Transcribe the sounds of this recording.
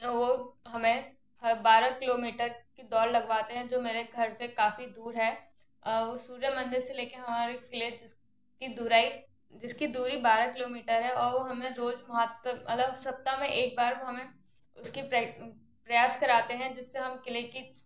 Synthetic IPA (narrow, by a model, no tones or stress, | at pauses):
ʋoɦɐmẽ | hɐbaːɾakɪloːmiːʈəɾkid̪ɔːɾlɐɡʋaːt̪eɦɛ̃d͡ʒoːmeːɾeɡʱɐɾsekaːfid̪uːɾɦɛː | ʋosuːɾjəmɐ̃nd̪ɪɾseleːkeɦɐmaːɾekɪlieɪs | kid̪ʊɾaːi | d͡ʒɪskid̪uːɾibaːɾakɪloːmiːʈəɾɦɛɔːɾʋoɦɐmẽɾoːd͡ʒmɐɦət̪əmɐləɡsɐp̚t̪amẽʔeːk̚baːɾʋoɦɐmẽ | ʊskip | pɾɐjaːʃkɐɾaːt̪eɦɛ̃d͡ʒɪsːeɦɐmkɪleki